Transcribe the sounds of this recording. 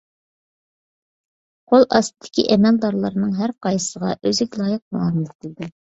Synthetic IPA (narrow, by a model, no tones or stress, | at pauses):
qʰolˠʔɑst̪ɨd̪ʰɪ̥kʲʰḭʔɛmɛld̪ɑɾlˠɑɾɨnɨŋɦæɾqɑjɨsəʁɑ̰ʔøzɪkʲlˠɑːjəq̚muɑɾmt̪̚ʰɪld̪ɪ